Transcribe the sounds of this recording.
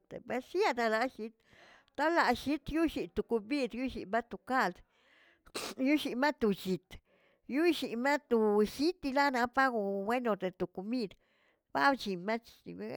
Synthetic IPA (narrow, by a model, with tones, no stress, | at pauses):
t̪ḛ˨be˦sa˦˧d̪a˧la˧˦ʃi˧˦t̪̚ | t̪a˦la˧ʃi˨˦t̪ju˦ʃi˨t̪u˨ku˧bi˦d̪ju˦ʃḭ˨ma˦t̪u˨ka˦ld̪ | ju˦ʃi˨ma˦t̪u˨t͡ʃi˨t̪ | ju˦ʃi˨ma˦t̪u˨ʃi˦t̪i˧la˦na˧pa˦ɡo˧˨we˦no˨t̪e˨t̪u˨ku˧mi˦d̪ | ba˦bt͡ʃi˨ma˦t͡ʃḭ˨˦